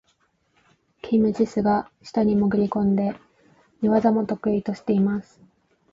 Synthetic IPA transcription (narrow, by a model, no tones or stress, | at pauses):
kʲʰimɯ̟t͡ɕisɨɡaɕi̥t̪aɲ̟imoɡɯ̟ɾʲikõ̞nd̪e̞ | ɲʲiβazamo̞t̪o̞kɯ̟it̪o̞ɕi̥t̪e̞imasɨ̥